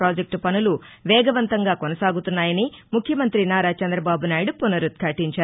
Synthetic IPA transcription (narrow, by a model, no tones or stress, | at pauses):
ɾaːd͡ʒek̚ʈpɐnulu | ʋɛːɡɐʋɐnt̪ɐŋɡaːkonɐsaːɡut̪unːaːjɐnimukʰjɐmɐnt̪ɾinaːɾaːt͡ʃɐnd̪ɾɐbaːbunaːjɽupunɐɾut̪̚kʰɐʈiɲt͡ʃaːɾu